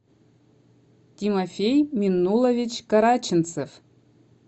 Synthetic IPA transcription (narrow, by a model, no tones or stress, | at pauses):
tʲimofʲejmʲinːulˠovʲit͡ɕkɑɾɑt͡ɕɨ̆nt͡sef